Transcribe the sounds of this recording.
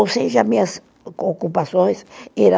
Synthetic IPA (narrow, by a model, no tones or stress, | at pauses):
oseʒɐmĩɲɐs | okupasõj̃seɾɐ̃